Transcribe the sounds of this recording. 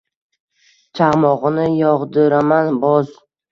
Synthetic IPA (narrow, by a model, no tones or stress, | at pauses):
t͡ʃʰaʁmɒʁɨnɪjɒʁd̪ɪɾamanbɒz